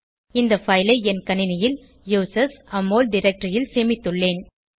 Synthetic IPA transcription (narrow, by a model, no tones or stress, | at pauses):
ɪnd̪ɐfɐɪlɐɪɛnkɐnɪnɐjɪl | juːsɐsɐmːoːlɖɪɾɛk̚ʈɾɐjɪlseːmɪt̪ːɯɭːeːn